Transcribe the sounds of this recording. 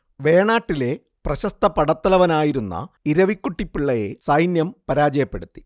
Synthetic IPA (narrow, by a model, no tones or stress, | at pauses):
ʋe̞ːɳaːʈːile̞ | prɐɕɐst̪ɐpɐɽɐt̪ːɐlɐʋɐnaːjiɾunːɐ̰iɾɐʋikʲːuʈːipːiɭːɐje̞̰sɐjnjɐmpɐɾaːd͡ʑɐjɐpːe̞ɽut̪ːi̥